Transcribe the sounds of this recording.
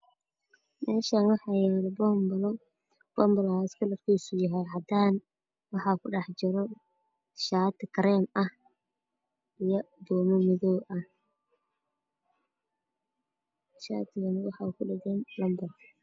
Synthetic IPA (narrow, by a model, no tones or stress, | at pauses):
mɛːʃaːnwɑħɑːjɛːlbɔːmbɐlɔ | b̥ɔmbɐlaɪskʰʊlɐrkʰiːsʊjaɦɛjɦɐd̪aːn | wɑħɑːkʰʊɖɑħt͡ʃɪɾɔ | ʃaːt̪ʰɪkɾɛːmɐh | ijɔb̪ɔːmɔmɪðɔːʔɐh | ʃa̰ːt̪ʰɪɣɐnɐwɑħɑːkʰʊɖɪɣɛːnbɔmbɐl